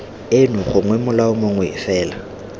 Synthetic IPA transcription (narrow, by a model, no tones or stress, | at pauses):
enʊχʊŋwɛmʊlaʊmoŋwɛɪ̰fɛːla